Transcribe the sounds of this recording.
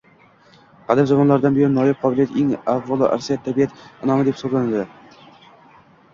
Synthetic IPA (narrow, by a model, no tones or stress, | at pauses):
qʰɑd̪ɪmzɒmɒnlaɾd̪anbejɒnːɒjap̚qʰɒbɪljat̪eŋavvɒlˠɪʔa̰ɾsijat̪ʰːabijat̪ɪnɒmɪd̪e̞psoɾlˠanald̪ɪ